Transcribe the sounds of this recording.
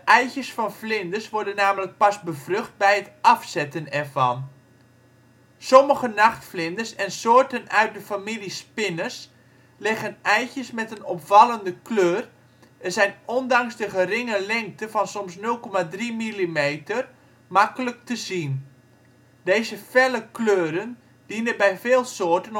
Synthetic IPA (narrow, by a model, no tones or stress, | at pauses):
əʔɛjçjəsfɑnflɪndəsʋɔɹdənːaːmələk̚pasbəvrøχt̚bɛjətɑfsɛtənɛrvɑ̰n | sɔməɣənaχtflɪndəsɛnsoːrtənœɥt̚dəfamilispɪnəs | lɪɣənɛjçjəsmɛtənɔpfɑlˠəndəkløːr | ɛzɛjnɔndɑŋsdəχərɪŋəlɪŋk̚təfɑnsɔmsnɵlˠkɔmadrimilimeːtər | makələk̚təzin | deːzəfɛləkløːɾən | d̥inəbɛjveːlˠsoːtən